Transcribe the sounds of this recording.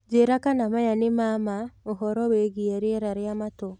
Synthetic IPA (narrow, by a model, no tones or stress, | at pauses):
d͡ʒeɾakanamajanemamaoɦɔɾɔweɡieɾeɛɾaɾeamato